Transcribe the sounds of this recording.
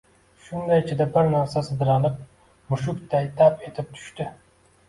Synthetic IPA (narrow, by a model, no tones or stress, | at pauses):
ʃʊnd̪ajɪt͡ʃʰɪd̪abɪɾnaɾsasɨd̪ɪɾɑlˠɪp̚ | mʊʃʊkt̪ʰajt̪ʰape̞t̪ʰɪp̚t̪ʰʊ̥ʃt̪ɪ